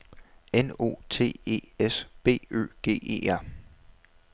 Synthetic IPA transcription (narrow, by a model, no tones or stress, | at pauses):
eno̝̰ːt͡sʰe̝̰ːe̝̰ːesb̥e̝̰ːø̰ːɡ̥e̝̰ːe̝̰ːæɐ̰